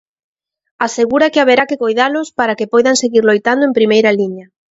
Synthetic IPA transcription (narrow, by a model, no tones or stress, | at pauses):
aseɣuɾakɪaβeɾakɪkojðalʊspaɾakepɔjðaŋseɣiɾlojt̪and̪oʊempɾimejɾaliɲɐ